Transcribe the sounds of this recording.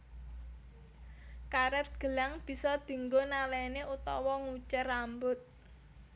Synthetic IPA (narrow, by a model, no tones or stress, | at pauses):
kaɾɛt̪̚ɡ̥ə̤laŋb̥i̤sɔd̪̥i̤ŋɡonalɛneʔut̪ɔ̰wɔŋut͡ʃərambʊt̪̚